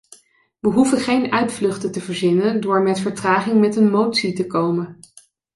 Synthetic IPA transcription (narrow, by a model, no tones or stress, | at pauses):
ʋəɦuvəχejnœɥtflɵχtətəvəɹzɪnəndʊːɹmɛtfəɹtraːχɪŋmɛtənmowtsitəkowmən